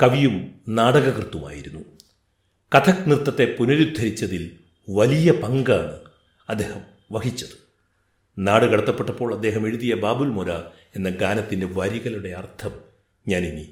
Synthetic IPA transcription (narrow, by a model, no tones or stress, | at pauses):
kɐʋijumnaːɽɐɣɐɣrɨt̪ːuma̰ːjiɾunːu | kɐt̪ʰɐknirt̪ːɐt̪ːe̞punɐɾud̪ʱːɐɾit͡ɕːɐðil | ʋɐlijɐpɐŋɡaːɳɨ | ɐd̪ːe̞ːhɐm | ʋɐhit͡ɕːɐðɨ̥ | naːɽɨkɐɽɐt̪ːɐpːe̞ʈːɐpːo̞ːɭɐd̪ːe̞ːɦɐme̞ɻuðijɐbaːbulmoɾɐ | e̞nːɐɡaːnɐt̪ːindeʋɐɾiɣɐluɽe̞ɐrt̪ʰɐm | ɲaːnini